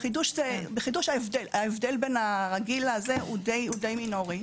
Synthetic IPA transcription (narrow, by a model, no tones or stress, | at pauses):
χid̪uʃzebeχiduʃaevdelaevd̪elbe̞naʁaɡilazeud̪ejud̪e̞jmino̞ʁi